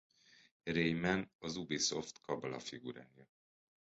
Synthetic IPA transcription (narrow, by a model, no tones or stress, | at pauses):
rejmɛnɒzubiso̞ft̪kɒblɒ̰fiɡuɾaːni